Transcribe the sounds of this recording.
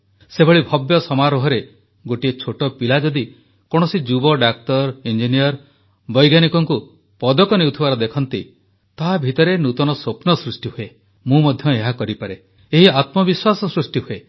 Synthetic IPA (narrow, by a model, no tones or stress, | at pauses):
sebʱɔɭibʱɔbjɔsɔmaɾɔɦɔɾe | ɡoʈiet͡ʃʰoʈɔpilad͡ʒɔd̪i | kɔɽ̃ɔsid͡ʒubɔɖak̚tɔɾind͡ʒinijɔɾ | bɔjɡjanikɔŋku | pɔd̪ɔkɔnewt̪ʰibaɾɔd̪ekʰɔnt̪i | t̪aɦabʱit̪ɔɾenut̪ɔnɔsopnɔsɾusʈiɦue | mũmɔd̪ʱjɔeɦakɔɾipaɾe | eɦiat̪mɔbiswasɔsɾusʈiɦue